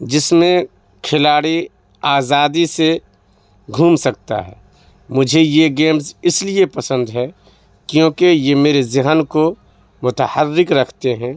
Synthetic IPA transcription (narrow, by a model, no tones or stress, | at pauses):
d͡ʒɪsmẽ | kʰɪlaːɽi | aːzaːd̪ise | ɡʱuːmsɐk̚t̪a̰ɦɛ̰ː | mʊd͡ʒʱejeɡeːmzɪsliepɐsə̃nd̪ɦɛ | kjõːkejemeːɾezɪɦənko | mʊt̪əhəɾːɪkɾɐkʰt̪eɦɛ̃ː